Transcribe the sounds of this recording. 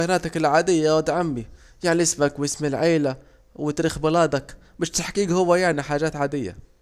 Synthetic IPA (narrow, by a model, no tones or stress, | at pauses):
naːt̪akɪlʕaːd̪ɪjːawad̪ʕambi | jaʕniɪsmakwjɪsmilʕeːla | wɪt̪ɾiːxbɪlaːd̪ak | baʃt̪aħkiːɡhʊwːajaʕniħaːʒaːt̪ʕaːd̪ɪjːa̰